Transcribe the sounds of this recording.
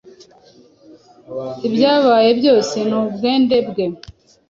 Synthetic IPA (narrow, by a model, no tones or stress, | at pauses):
ibjaːβaːjebjoːsenobɡeːndebɡe